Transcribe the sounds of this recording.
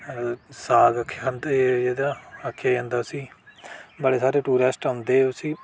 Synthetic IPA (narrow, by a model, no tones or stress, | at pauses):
saːɡəkʰːnd̪eːd̪aːəkʰːaːɦə̃nd̪aːsiː | bəɽeːsaːɾeːʈuːɾesʈaʊnd̪eːʊsiː